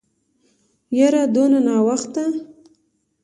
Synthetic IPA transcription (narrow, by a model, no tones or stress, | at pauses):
jaɾad̪onanɑwaxt̪̚d̪a